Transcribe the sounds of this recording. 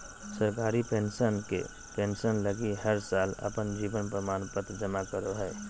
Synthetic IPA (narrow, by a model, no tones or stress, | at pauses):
səɾkaːɾipensənkḛ | pẽnsənləɡiɦəɾsaːlə̰pənd͡ʒiːbənpɾəmaːnpət̪d͡ʒəmakəɾoɦɛː